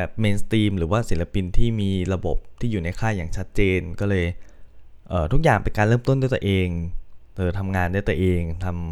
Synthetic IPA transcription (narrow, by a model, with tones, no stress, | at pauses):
bɛː˨˩p̚meː˧nst̪iː˧mɾɯː˩˦waː˥˩si˨˩˦la˧pi˧nt̪ʰiː˥˩miː˧ɾa˧bo˨˩p̚t̪ʰiː˥˩juː˨˩na˧jkʰaː˥˩jaː˨˩ŋt͡ɕʰa˦˥t̪̚t͡ɕeː˧nkɔː˥˩lɤː˧j | ʔɤː˨˩t̪ʰu˦˥k̚jaː˨˩ŋpe˧nkaː˧lɤː˥˩mt̪o˥˩ndaː˥˩t̪ːʔeː˧ŋʔɤː˨˧t̪ʰa˧mŋaː˧ndaː˥˩jt̪u˧ʔeː˧ŋt̪ʰa˧m